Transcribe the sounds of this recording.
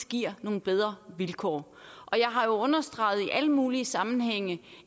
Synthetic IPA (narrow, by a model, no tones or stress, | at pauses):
ɡ̥iɐ̰no̝ːn̩b̥eð̞ˠʁɐʋilkʰɒ̰ː | ʔɒ̽jɑ̈ɪɦɑ̈jo̝ɔ̽nɐsd̥ʁɑ̈ɪð̩ˠiʔæləmuːliəsɑ̈mn̩ɦeŋ̰ə